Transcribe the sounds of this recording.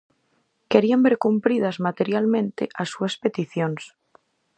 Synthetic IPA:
keɾiambeɾkumpɾið̞azmat̪eɾjalmẽnt̪eʔasuaspet̪iθjons

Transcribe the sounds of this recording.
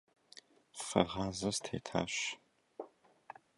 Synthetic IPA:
fɐ̰ʁɑːzɐstʰḛːtʰa̰ːɕ

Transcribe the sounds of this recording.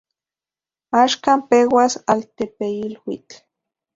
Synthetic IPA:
aːʃkampewasalt̪epeilwḭt͡ɬ

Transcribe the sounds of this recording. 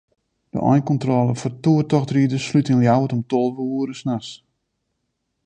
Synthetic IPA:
d̥ə̰ʔɔ̰jnkɔntrɔlˠəfɔrtuətɔxtridəslytənljawətɔmtolˠʋəuəɾəsnas

